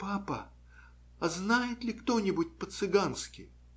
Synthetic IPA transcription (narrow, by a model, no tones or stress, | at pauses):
papə̰ | ɐznajɪt̪lʲɪkt̪o̞nʲɪbʊt̚ʲpət̪sɨɡanskʲɪj